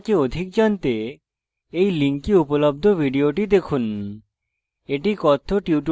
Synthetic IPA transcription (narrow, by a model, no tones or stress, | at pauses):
keod̪ʱik̚d͡ʑɔnt̪e | ejliŋkiupolob̚d̪ʱobʱiɖioʈid̪ekʰun | eʈikɔt̪ʰːoʈiuʈ